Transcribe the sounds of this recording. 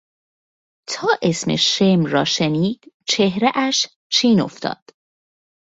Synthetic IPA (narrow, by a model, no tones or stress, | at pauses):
t̪ʰɒːʔesmḛʃemɾɒːʃeniːd̪̥ | t͡ʃʰehɾeʔæʃ | t͡ʃʰiːno̰ft̪ʰɒ̰ːd̪̥